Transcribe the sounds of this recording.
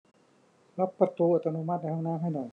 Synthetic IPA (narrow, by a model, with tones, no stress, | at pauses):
la˦˥pːa˧t̪uː˧ʔaː˨˧˩t̪ːa˧nu˧ma˥˩t̪̚na˧˩ha˧˥˧naː˧˥˨nɦa˥˩jnɔ˨˩j